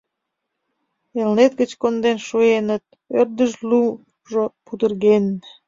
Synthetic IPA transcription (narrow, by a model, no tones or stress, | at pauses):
elnet̪̚ɡət͡ɕkond̪enʃuenət̪̚ | ørd̪əʒlu | ʒopud̪ərɣen